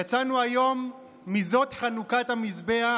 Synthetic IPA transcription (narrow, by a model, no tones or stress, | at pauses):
jat͡sanuajo̞mː | izo̞tχanukathamisbea